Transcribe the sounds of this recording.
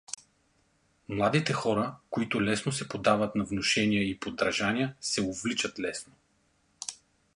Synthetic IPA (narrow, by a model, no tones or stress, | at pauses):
mlˠad̪it̪ɛxɔɾəkoit̪ʊlɛsnosɛpod̪avət̪nɐvnoʃɛnijəipod̪ɾɐʒanijəsɛovlit͡ʃɐt̪lɛsno